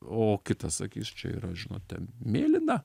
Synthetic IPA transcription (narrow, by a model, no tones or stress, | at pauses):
oːkʲɪt̪ɐssɐkʲiːsʲt͡ʃʲɛ̰ḭːɾɐʒʲɪno̰ːt̪t̪ʲɛ̰nmʲeːlʲɪnɐ